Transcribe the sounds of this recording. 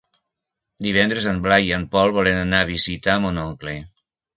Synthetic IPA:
d̪iβ̞ɛnd̪ɾəzəmblajiəmpɔlˠβɔlenənaβ̞izit̪amonɔŋkle

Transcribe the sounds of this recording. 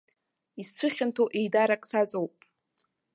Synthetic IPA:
ist͡sʷʰɨχʲɪntʰoʔejdaɾakʼsat͡sʼowpʼ

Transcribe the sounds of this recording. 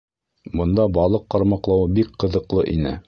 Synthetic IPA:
bɤ̆nd̪ɑbɑlˠɤqːɑɾmɑqlˠɑwɤbikqɤ̆ðɤ̆qlˠɤʔḭnɘ̰

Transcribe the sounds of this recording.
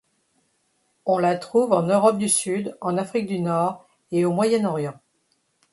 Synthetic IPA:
ɔ̃lat̪χuvɑ̃nøʁɔp̚d̪ysyd̪ɑ̃nafχik̚d̪ynɔʁ | eomwajɛnɔʁjɑ̃

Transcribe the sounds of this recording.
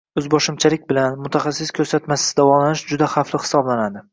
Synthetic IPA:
ɵzbɒʃɪmt͡ʃʰalɪk̚ʲbɪlanmʊt̪ʰaχasːɪskʲʰɵɾsat̪masɪ̥d̪avɒlanɪʃd͡ʒʊd̪aχaflɪχɪ̥sɒblanad̪ɪ

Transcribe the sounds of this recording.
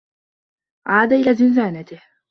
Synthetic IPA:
ʕaːd̪aʔɪlaːzɪnzaːnat̪ɪh

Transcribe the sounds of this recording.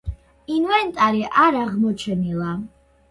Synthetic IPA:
invɛnt̪ʼaɾiʔaɾaʁmɔt͡ʃʰɛnilˠa

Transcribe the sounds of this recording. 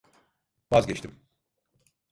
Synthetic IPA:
vazɟet͡ʃt̪ʰim

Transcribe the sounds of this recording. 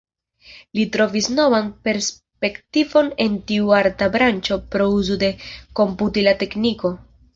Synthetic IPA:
litɾo̞visno̞vanpe̞ɾs | pe̞ktivo̞ne̞ntiuaɾtabɾant͡ʃo̞pɾo̞uzode̞ko̞mputilate̞kniko̞

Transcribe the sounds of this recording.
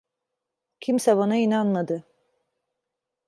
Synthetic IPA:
cʰimsɛbonainanmad̪ɯ

